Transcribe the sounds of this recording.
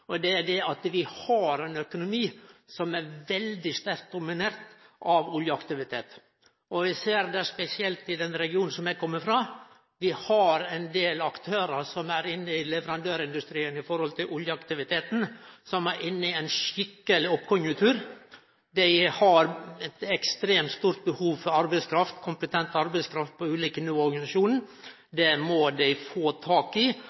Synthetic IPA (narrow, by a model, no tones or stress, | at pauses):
ɔd̪ɛd̪ɛɑt̪ʋɪhɑɾɛɪnœkʊnʊmiːsɔmæɾʋɛld̪ɪst̪æɾk̚t̪̚d̪ʊmɪneːɾt̪ʔɑʋʊljəɑkt̪ɪʋɪt̪ʰḛːt̪ | ʔɔʋɪseːɾd̪ɛspɛsɪɛlt̪ɪd̪ɛnɾɛɡɪuːn̩sɔmjɛɡ̚kʰɔmːəfɾɑː | ʋɪhɑɾɛnd̪eːlɑkt̪ʰøːɾəsɔmæɾɪnːəɪlɛʋəɾɑnd̪øːɾɪnd̪ʉst̪ɾiːənɪfɔɾhɔlt̪ʰɪlʔʊljəɑkt̪ɪʋɪt̪ʰeːt̪n̩sɔmæɾɪnːəɪæɪnʂɪkːəlɪɔpːkʊnjʉŋk̚t̪ʰʉːɾ | d̪æɪhɑɾɛt̪ɛkst̪ɾeːmt̪st̪uːɾt̪̚bəhuːʋfɔɾɑɾbɛɪskʰɾɑft̪kʰʊmpət̪ʰɛnt̪ɑɾbɛɪskʰɾɑft̪̚pʰɔʉːliːkənuːɔɾɡɑnɪsɑʂuːn | d̪ɛmɔd̪æɪfoːt̪ʰɑːkɪ